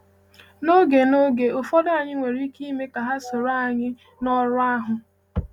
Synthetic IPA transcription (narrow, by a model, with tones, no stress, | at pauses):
no˦ɡe˨no˦ɡe˨ʊ˨fɔ˦da˨ɲɪ˦ŋʷe˨ɾi˦ki˦me˦ka˨ɦa˦so˨ɾa˦a˨ɲɪ˦ | nɔ˦ɾʊ˦a˦ɦʊ˨